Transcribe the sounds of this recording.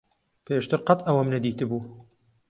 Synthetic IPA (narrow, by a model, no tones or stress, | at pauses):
pʰeːʃt̪ɨɾqɐt̪ɐwɐmnɐd̪iːt̪ɨbuː